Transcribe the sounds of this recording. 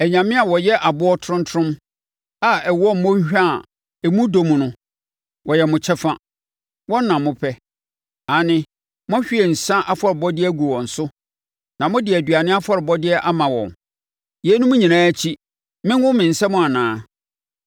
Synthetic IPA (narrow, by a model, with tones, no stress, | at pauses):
ɛ˨ɲã˨mɪ̃˦a˨wɔ˨jɛ˦ʔa˨bʊ˦ɔ˦tʰʊ˨˦ʊ̃˦ntʰʊ̃˦m | a˨ɛ˨wɔ˦m˨mɔ̃˦ɲ˦ɕᶣa˦˨ | ɛ˨mũ˦do˨mũ˨nʊ̃˦ | wɔ˨jɛ˨mʊ̃˨t͡ɕʰɛ˦fã˦ | wɔ̃˦n˦nã˨mʊ̃˦pʰɛ˦ | a˨nɪ̃˦ | mʊ̃˦ɕᶣi˦ɛ˨n̩˨sã˦ʔa˦fɔ˦ɾɪ˨bɔ˦dɪ˦ɡu˨wɔ̃˨n̩˨sʊ˦ | nã˨mʊ̃˦dɪ˨æ˨dɥa˨nɪ̃˦a˦fɔ˦ɾɪ˨bɔ˦dɪ˦ɛ˦ʔa˦mã˨wɔ̰̃˨n | je˨˦nʊ̃˦mʊ̃˦ɲĩ˨nãː˦æ˦t͡ɕʰi˦ | mɪ̃˦nwʊ̃˦mɪ̃˨n̩˨sɛ˦mʊ̃˦a˨nãː˨˦